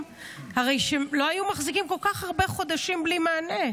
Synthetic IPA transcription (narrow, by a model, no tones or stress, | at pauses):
haʁe̞jʃelo̞ajumaχzikimko̞lkaχhaʁbe̞χo̞d̪aʃimblimaːne